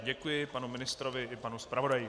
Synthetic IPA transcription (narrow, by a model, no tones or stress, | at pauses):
ɟɛkujɪpanumɪnɪst̪ɾovɪʔɪpanuspɾavo̞daji